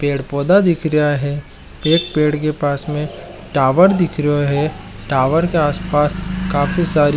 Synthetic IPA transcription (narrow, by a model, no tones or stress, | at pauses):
peːɽpɔːd̪ad̪ɪkʰɾəaɦɛ | peːkpeːɽk̬epaːsmẽ | ʈaːʋəɾd̪ɪkʰɾəoɦɛ | ʈaːʋəɾkeaːspaːskaːfisaːɾi